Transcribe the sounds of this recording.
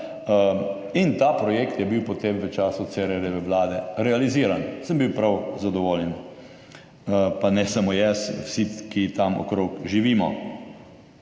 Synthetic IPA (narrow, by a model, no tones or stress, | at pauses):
int̪aːpɾɔjeːkt̪jɛbiwpɔt̪emʋət͡ʃaːsut̪sɛɾɛɾɛʋɛʋlaːd̪ɛɾɛaliziːɾansəmbiwpɾawzad̪ɔʋoːljɛn | panɛsamojɛswsikit̪amɔ̰kɾoːkʒiʋiːmɔ̰